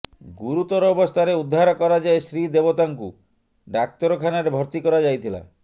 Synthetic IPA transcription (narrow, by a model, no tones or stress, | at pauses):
ɡuɾut̪ɔɾɔːbɔst̪ʰaɾeud̪ʱːaɾɔkɔɾad͡ʒaesɾid̪ebot̪aŋkṵ | ɖak̚t̪ɔɾɔkʰanaɾebʱɔɾt̪ikɔɾad͡ʒajt̪ʰila̰